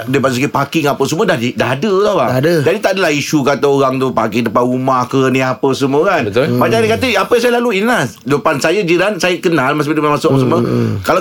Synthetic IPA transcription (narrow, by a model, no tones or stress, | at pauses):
depads̬ukipakɪŋapəsəmũədadaɦadəlahbadəd͡ʒadit̪aʔdalahiʃukat̪aoɾaŋt̪upakɪŋdəpanumahkənĩapəsəmukanəbat͡ʃanikat̪əapəjãŋsajəlaluinlahdəpansajəd͡ʒiɾansajəkənalmas̬bədəmamasʊkʔapəsəməkala